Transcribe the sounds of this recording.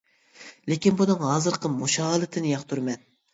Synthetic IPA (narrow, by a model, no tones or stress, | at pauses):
lɪkʲinbunɨŋɦɑːzɨɾqʰəmuʃɑlˠɪt̪ʰɪnɪjɑqt̪ʰuɾmɛn